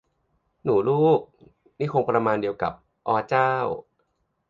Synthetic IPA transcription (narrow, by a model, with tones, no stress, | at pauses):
nuː˩˦luː˥˩k̚ | niː˥˩kʰo˧ŋpɾa˧maː˧ndi˧əwka̰˨˩p̚ | ʔɔː˧t͡ɕaː˥˩w